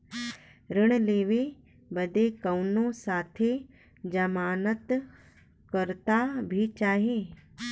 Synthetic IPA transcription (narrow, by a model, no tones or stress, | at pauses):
ɾɪɽ̃leːʋe | bəd̪ekəwnõsaːt̪ʰe | d͡ʒɐmaːnət̪ | kəɾt̪abʱit͡ʃaːɦeː